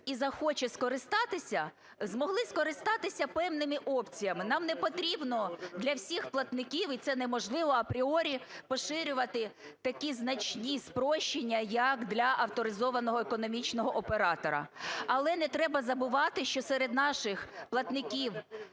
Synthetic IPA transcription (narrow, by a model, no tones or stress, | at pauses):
izɐxɔt͡ʃɛskɔɾɪst̪ɑt̪ɪsʲɐ | zmɔɦlˠɪskɔɾɪst̪ɑt̪ɪsʲɐpɛwnɪmɪʔɔpt͡sʲijɐmɪnɑmnɛpɔt̪ɾʲibnɔd̪lʲɐwsʲixplˠɐt̪nɪkʲiwit̪sɛnɛmɔʒlˠɪʋɔɐpɾʲiɔɾʲipɔʃɪɾʲʊʋɐt̪ɪt̪ɐkʲiznɐt͡ʃnʲispɾɔʃt͡ʃːenʲːɐjɐkd̪lʲɐʔɐwt̪ɔɾɪzɔʋɐnɔɦɔekɔnɔmʲit͡ʃnɔɦɔʔɔpeɾɑt̪ɔɾɐ̰ɐlˠɛnɛt̪ɾɛbɐzɐbʊʋɑt̪ɪʃt͡ʃɔsɛɾed̪nɑʃɪxplˠɐt̪nɪkʲiw